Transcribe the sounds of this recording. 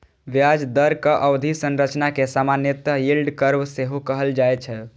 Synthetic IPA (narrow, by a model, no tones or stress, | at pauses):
ʋjad͡ʒd̪əɾkəʔəʋd̪ʱisənɾət͡ʃnakesamanjət̪əilɖkəɾbseɦokəɦəld͡ʒajt͡ʃʰɛ